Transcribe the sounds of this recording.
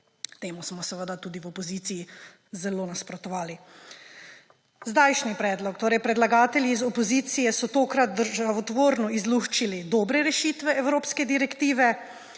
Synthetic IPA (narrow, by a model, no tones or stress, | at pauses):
t̪eːmusmɔsɛʋəd̪at̪uːd̪iwɔpɔziːt̪sii | zɛloːnaspɾɔt̪ɔʋaːli | zd̪aːjʃnipɾɛːd̪lɔkt̪oːɾɛjpɾɛd̪laɡaːt̪ɛljiːzɔpɔziːt̪sijɛsɔt̪oːkɾat̪̚d̪əɾʒaʋɔt̪ʋoːɾnɔizluxt͡ʃilid̪ɔːbɾɛɾɛʃiːt̪ʋɛɛwɾoːpskɛd̪iɾɛkt̪iːʋɛ